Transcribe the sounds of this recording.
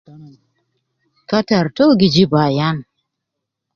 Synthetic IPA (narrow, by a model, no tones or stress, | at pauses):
kataɾtoɡɪd͡ʒibajan